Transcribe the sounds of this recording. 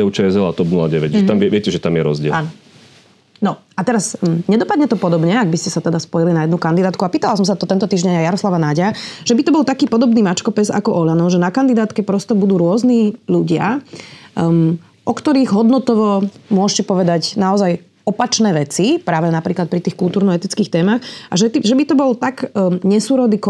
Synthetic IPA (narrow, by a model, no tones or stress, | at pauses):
ɛʊt͡ʃɛɛzɛlat̪ɔbnula̰ɟɛʋɛcʒɛt̪amʋɪɛʋɪɛcɛʒɛt̪amjɛɾɔ̰zɟɪɛ̰an | nɔ | at̪ɛɾazɲɛd̪ɔpad̪ɲɛt̪ɔpɔd̪ɔbɲɛaɡ̚biscɛsat̪ɛd̪aspɔjilinajɛd̪nukand̪id̪aːt̪kuapiːt̪alas̬ɔmsat̪ɔt̪ɛnt̪ɔt̪iːʒɲɛɲajaɾɔslaʋanaɟaʒ̥ɛbit̪ɔbɔlˠt̪akiːpɔd̪ɔbniːmat͡ʃkɔpɛza̰kɔʔɔʎanɔʊʒɛnakand̪id̪aːt̪kɛpɾɔst̪ɔbud̪uːɾʊɔzniːʎuɟɪa̰ | ʔɔkt̪ɔɾiːɣɦɔd̪nɔt̪ɔʋɔmʊɔʃcɛpɔʋɛd̪acnaɔzaj | ɔpat͡ʃnɛːʋɛt͡sipɾaːʋɛnapɾiːklat̪pɾit̪iːxkulˠt̪uːɾnɔɛt̪it͡skiːxt̪ɛːmaxaʒɛt̪iʒɛbit̪ɔbɔlt̪aɡɲɛsuːɾɔd̪iːk